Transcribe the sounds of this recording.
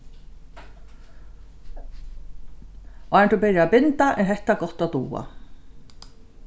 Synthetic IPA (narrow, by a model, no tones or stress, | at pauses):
ɔant̪upɪɾjaːpɪnt̪aʔɛnɦɛht̪akɔht̪at̪uːa̰